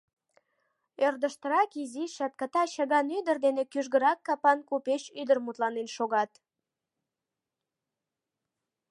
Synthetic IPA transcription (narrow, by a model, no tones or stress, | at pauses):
ørd̪əʃt̪əɾɑkiziʃɑt̪̚kət̪ɑɕɑɣɑnyd̪ərd̪enekyʒɣəɾɑkːɑpɑnkupeʃyd̪ərmut̪lɑnenʃoɣɑt̪